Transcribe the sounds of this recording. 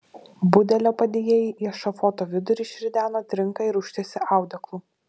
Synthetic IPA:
bʊd̪ʲɛlʲoːpɐd̪ʲeːjeːjiːʔiʃɐfoːt̪oːʋʲɪd̪ʊɾʲɪʃʲɪɾʲɪd̪ʲæːnoːt̪ʲɾʲɪŋˑkɐɪɾʊʃʲt̪ʲesʲɪʔɑˑʊd̪ʲɐklˠu

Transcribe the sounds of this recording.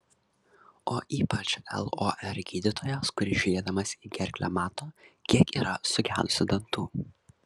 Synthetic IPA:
oːʔiːpɐt͡ʃɛ̰lˠoʔɛɾɡʲiːd̪ʲɪt̪ʰoːjɛskʊɾʲɪʒʲʊɾʲeːd̪ɐmɐsʲiːɡʲɛɾʲˑkʲlʲɛ̰mɑːt̪oːkʲiɛkiːɾɐsʊɡʲæːlʲˠʊsʲɪd̪ɐnt̪uː

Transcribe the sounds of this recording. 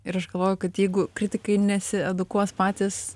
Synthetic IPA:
ɪɾɐʃɡɐlˠʋoːjʊkɐt̪jɛɪɡʊkɾʲɪtʲɪkɐɪnʲɛsʲɪɛd̪ʊkuɔspɑːt̪ʲɪs

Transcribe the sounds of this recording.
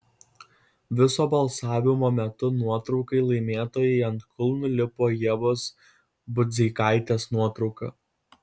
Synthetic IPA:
ʋʲɪsoːbɐlˠsɑːʋʲɪmoːmʲɛt̪ʊnuɔt̪ɾɒʊkɐɪlˠɐɪmʲeːt̪oːjɛɪɐnt̪kʰʊlˠnʊlʲɪpoːjɛʋoːs | bʊd̪ʲzʲɛɪkɑɪt̪ʲeːsnuɔt̪ɾɒʊkɐ̰ː

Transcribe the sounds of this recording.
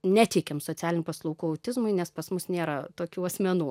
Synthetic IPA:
nʲæt̪ʲɛɪkʲɛmsoːt͡s̪ʲæːlʲɪnʲuːpɐslˠɔʊkuːɐʊt̪ʲɪzmʊɪnʲɛspɐsmʊsnʲeːɾɐt̪oːkʲuːɐsʲmʲɛnuː

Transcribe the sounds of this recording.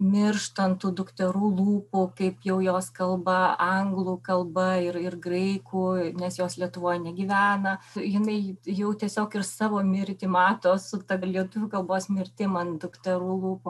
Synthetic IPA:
mʲɪrʃt̪ɐnt̪uːd̪ʊkt̪ʲɛɾuːlˠuːpʊkɐɪpjɛʊjoːskɐlˠbɐɐŋɡlˠuːkɐlˠbɐɪrɪrɡrɐɪkuːnʲɛsjoːslʲiɛt̪ʊʋoːjnʲɛɡʲiʋʲæːnɐjɪnɐɪjɛʊtʲiɛsʲoːkɪrsɑːʋoːmʲɪɾʲt̪ʲɪmɑːt̪oːsʊt̪ɐlʲiɛt̪ʊʋʲʊːkɐlˠboːsmʲɪɾʲt̪ʲɪmɐnd̪ʊkt̪ʲɛɾuːlˠuːppuː

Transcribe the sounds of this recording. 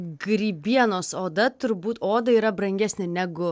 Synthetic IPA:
ɡɾʲiːbʲiɛnoːsoːd̪ɐt̪ʊɾbuːt̪oːd̪ɐiːɾɐbɾɐŋʲɡʲɛsʲnʲɪnʲæɡʊ

